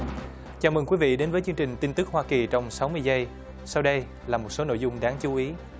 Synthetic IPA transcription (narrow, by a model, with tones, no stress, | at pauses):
t͡ɕaː˨˧˩mɨ˨˩ŋkwi˨˦vḭ˧˨ɗe˨˦nvəː˨˦jt͡ɕɨ˧əŋt͡ɕï˨˩ŋ̟t̪i˧nt̪ɨ˦˥k̚hwaː˧ki˨˩t͡ɕɔ˧wŋ͡msa˨˦wmɨ˧əjzə˧j | sa˧wɗə˧j | laː˨˩mo˨˩t̚so˨˦no̰˧˨jzʊ˧ŋ͡mɗaː˨˦ŋt͡ɕu˨˦ʔi˨˦